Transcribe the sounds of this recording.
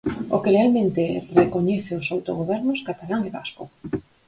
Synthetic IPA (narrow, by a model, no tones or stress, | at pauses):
okelealmẽnt̪erekoɲɛθeosawt̪oɣ̞oβ̞ɛɾnʊskat̪alaŋeβa̰sko